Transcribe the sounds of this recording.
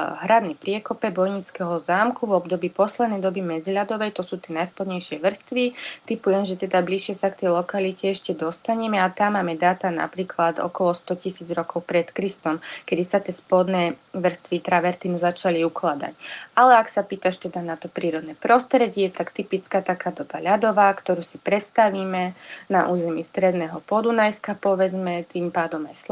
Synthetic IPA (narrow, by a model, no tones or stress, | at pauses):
ɦɾad̪nɛjpɾɪɛkɔpɛbɔjɲit͡skɛɦɔzaːmkuvɔbd̪ɔbiːpɔslɛd̪nɛjd̪ɔbimɛd͡ziʎad̪ɔʋɛjt̪ɔsuːt̪ɪɛnajspɔd̪ɲɛjʃɪɛʋr̩st̪ʋit̪ipujɛmʒɛt̪ɛd̪abliʃɪɛsakt̪ɛjlɔkalicɛɛʃcɛd̪ɔst̪aɲɛmɛat̪amːaːmɛd̪aːt̪ana̰pɾiːkʰlat̪ɔ̰kɔlɔst̪ɔcisiːd͡zɾɔkɔʊpɾɛt̪kɾist̪ɔmkɛd̪isat̪ɪɛspɔd̪nɛːʋr̩st̪ʋit̪ɾaʋɛɾt̪inuzat͡ʃaliuklad̪a̰calɛaksapiːt̪aʃt̪ɛd̪anat̪ɔpɾiːɾɔd̪nɛpɾɔst̪ɾɛɟɪɛt̪akt̪ipit͡skaːt̪akaːd̪ɔbaʎad̪ɔʋaːkt̪ɔɾuːsipɾɛt̪st̪aʋiːmɛnaʔuːzɛmist̪ɾɛd̪nɛːɦɔpɔd̪unajskapɔʋɛd͡zmɛt̪impaːd̪ɔmajs